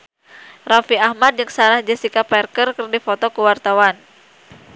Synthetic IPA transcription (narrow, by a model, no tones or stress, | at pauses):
rafiahmad̪̚d͡ʒɨŋsaɾahd͡ʒəsikapɛrkərkərdifot̪ɔkəwart̪awan